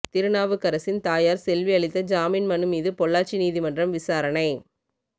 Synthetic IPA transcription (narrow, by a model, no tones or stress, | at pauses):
t̪ɪɾɯnaːʋɯkɐɾɐsɪnt̪aːjaːɾsɛlʋiɐɭɪt̪ːɐd͡ʒaːminmɐnɯmiːðɯpɔɭːaːɾt͡ʃiniːðimɐndrɐmʋɪsaːɾɐnɐɪ